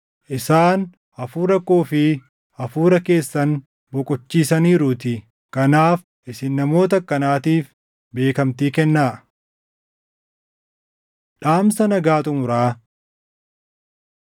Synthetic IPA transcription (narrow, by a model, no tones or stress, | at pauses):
ʔɪsaːn | ɐfuːɾɐkːoːfɪ | ɐfuːɾɐke̞ːsːɐn | bɔkʼɔt͡ʃːiːsɐniːɾuːt̪ɪ | kɐnaːf | ʔɪsɪnːɐmo̞ːt̪̬ɐkːɐnaːt̪iːf | be̞ːkɐmt̪iːkɛnːaː | ᶑaːmsɐnɐɡaːt̪ʼʊmʊɾaː